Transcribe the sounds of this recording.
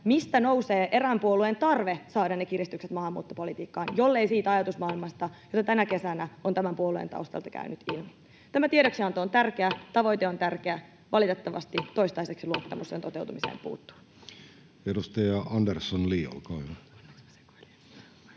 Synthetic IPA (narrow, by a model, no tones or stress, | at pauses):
mist̪æno̞wse̞ːʔeɾæmpuoluent̪ɑrʋe̞sɑːdɑnːek̟irist̪ykset̪mɑɦɑmːṵːt̪ːopo̞lit̪iːkːɑːnjo̞lːeijsiːt̪æɑjɑt̪usmɑːilmɑst̪ɑjo̞t̪ɑt̪ænæke̞sænæo̞nt̪æmæmpuoluḛnt̪ɑ̰uwst̪ɑ̰lt̪ɑkæ̰ynʔyt̪ilmi | t̪æmæt̪ieɾo̞ksiɑnt̪oːnt̪ærk̟eæt̪ɑʋo̞jt̪eo̞nt̪ærk̟eæ | ʋʔɑlit̪et̪ːɑʋɑ̰st̪it̪oist̪ɑise̞ksiluot̪ːɑmusːent̪o̞t̪e̞wt̪umisḛːmpṵːt̪ːu̥ | edust̪ɑjɑɑndersːonliːo̰lkɑo